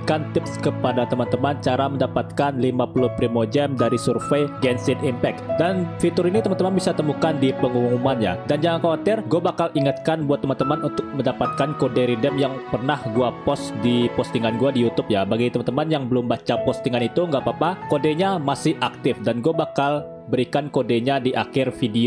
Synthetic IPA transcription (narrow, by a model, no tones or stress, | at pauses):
kant̪ɪpskəpadat̪əmant̪əmant͡ʃaɾaməndapat̪̚kanlimapulʊhpɾimod͡ʒɛmdaɾisurfejɡɛnsɪnimpɛk̚danfit̪ʊɾinit̪əmant̪əmanbisat̪əmukandipəŋuŋuŋumanja̰dand͡ʒaŋankawat̪ɪrɡuabakaliŋat̪̚kanbuat̪ːəmant̪əmanunt̪ʊk̚məndapat̪̚kankodeɾidɛmjaŋpərnahɡuapɔsdipɔst̪iŋanɡuadijut̪ʊp̚jabaɡit̪əmant̪əmanjaŋbəlʊmbat͡ʃapɔst̪iŋanit̪uŋɡaʔpapakodeɲamasɪhʔak̚t̪ɪfdanɡuabakal | bəɾikankodeɲadiʔakɪrfidio